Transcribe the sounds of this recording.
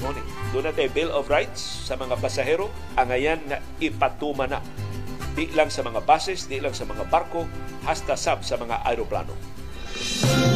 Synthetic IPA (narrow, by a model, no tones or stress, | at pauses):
ŋonɪ | d̪ʊnad̪ajbɪlovɾajt̪sːamaŋapasaɦɛɾo | ʔaŋajanŋa | ɪpat̪umana | d̪ɪʔlaŋsamaŋabasɪsd̪ɪʔlaŋsamaŋabarkohast̪asabsamaŋa̰ʔa̰jɾopla̰no̰